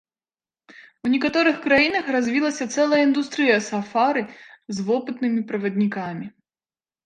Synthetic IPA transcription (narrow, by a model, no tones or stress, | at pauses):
unʲɛkat̪ɔɾɨxkɾajinɐxrazʲvʲilˠɐsʲɐt̪sɛlˠɐjəind̪ust̪ɾɨjɐsafaɾɨzvɔpɨt̪nɨmʲipɾɐvɐd̪ʲnʲikamʲi